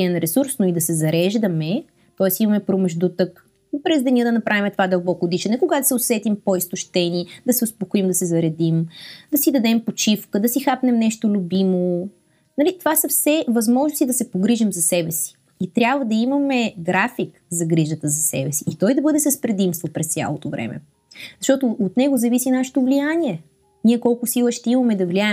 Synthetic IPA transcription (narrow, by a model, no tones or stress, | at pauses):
ɛnɾɛsuɾsnʊid̪ɐsɛzɐɾɛʒd̪əmɛ | t̪ɔɛsimɐmɛpɾomɛʒd̪ut̪ək | pɾɛzd̪ɐniəd̪ɐnɐpɾʔavʲimɛt̪ovad̪ɐlˠbɔkoːd̪iʃɛnɛkoɡad̪ɐsɛosɛt̪impoist̪ʊʃt̪ɛnid̪ɐsɛʊspokoimd̪ɐsɛzɐɾɛd̪imd̪ɐsid̪ɐd̪ɛmpot͡ʃifkəd̪ɐsixapnɛmnɛʃt̪olʲubimo | nɐlit̪ovasɐfsɛvɐzmɔʒnost̪id̪ɐsɛpoɡɾiʒɛmzɐsɛbɛsi̥ː | t̪ɾʲabvəd̪ɐimɐmɛɡɾafik | zɐɡɾiʒət̪əzɐsɛ̰bɛsiːt̪ɔjd̪ɐbɤd̪ɛsəspɾɛd̪imst̪vopɾɛst̪sʲa̰lˠot̪ovɾɛ̰mɛ̰ | zɐʃt̪ɔt̪oot̪nɛɡozɐvisinaʃɛ̥t̪ovlijanʲiɛ | nʲiɛkɔlˠkʊsilˠəʃt̪ɛimɐmɛd̪ɐvliaɛ